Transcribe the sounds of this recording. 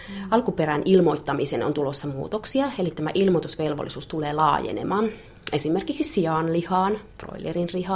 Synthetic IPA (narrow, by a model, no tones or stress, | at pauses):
ɑlkupeɾænʔilmo̞it̪ːɑmiseno̰nt̪ulosːɑmṵːt̪oksiɑelit̪æmæ̰ʔilmot̪usʋelʋo̰lːisuːst̪uleːlɑ̰ːjḛnḛmɑːn | e̞simerkiksisiɑnlihɑːnpro̰jilerinrihɑ